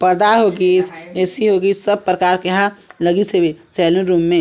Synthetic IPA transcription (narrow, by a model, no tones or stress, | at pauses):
pəɾd̪aɦoɡisesiɦoɡiːd͡ʒsəb̚pɾəkaːɾkeɦãləɡisebesɛːlə̃nɾumːẽ